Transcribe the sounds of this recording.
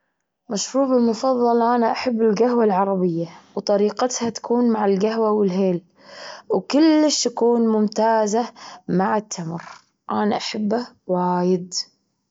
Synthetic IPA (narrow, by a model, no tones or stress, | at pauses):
maʃɾuːbɪlmʊfɑðˤːɑlʔanaʔaħabːɪlɡahwalʕɑɾˤɑbɪjːawt̪ˤɑɾiːqɑt̪hat̪ḁkuːnmaʕɪlɡaɦwawɪlɦeːl | wkʊlːɪʃt̪akuːnmʊmt̪aːzamaʕɪt̪ʰːamɾ | ʔanaʔaħabːa | waːjɪd̪